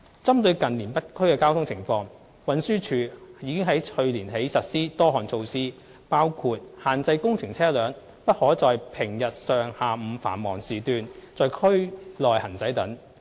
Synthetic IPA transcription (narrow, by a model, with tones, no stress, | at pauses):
t͡sɐ˥mt̪ɵ˨˧ɥkɐ˨nliː˨˩npɐ˥t̚kʰɵ˥ɥkɛː˧kaː˥wt̪ʰʊ˥ŋt͡sʰɪ˨˩ŋfɔː˧ŋ | wɐ˨˥nsyː˥t͡ʃʰyː˨˧jiː˨˧kɪ˥ŋɦɐ˨˥jʰɵ˧ɥliː˨˩nɦe˨˥jsɐ˨t̚siː˥t̪ɔː˥ɦɔː˨˩nt͡sʰo˧wsiː˥ | paː˥wkʰuː˧t̚haː˨nt͡sɐ˧jkʊ˥ŋt͡sʰɪ˨˩ŋt͡sʰɛː˥lœː˨˥ŋ | pɐ˥t̚hɔː˨˥t͡sɔː˨jpʰɪ˨˩ŋjɐ˨t̚sœː˨ŋhaː˨m̩˨˧fa̰ː˨˩nmɔː˨˩ŋsiː˨˩t̪yː˨˧nt͡sɔː˨jkʰɵ˥ɥlɔː˨˩jhɐ˨˩nt͡sɐ˨˥jt̪ɐ˨˥ŋ